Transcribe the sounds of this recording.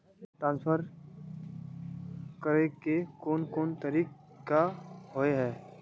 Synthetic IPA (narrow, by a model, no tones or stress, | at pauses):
t̪ɾãːnsfəɾ | kəɾekekoːnkoːnt̪əɾiːkkaɦoeɦɛː